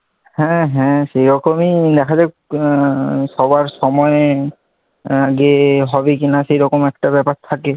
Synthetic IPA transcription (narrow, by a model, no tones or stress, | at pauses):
hɛ̃ɦɛ̃sejɾɔkɔmid̪ɛkʰazɛ | sɔbaɹsɔmɔj | aɡeɦɔbikinasejɹɔkɔmɛk̚tabɛpak̚t̪ʰakɛ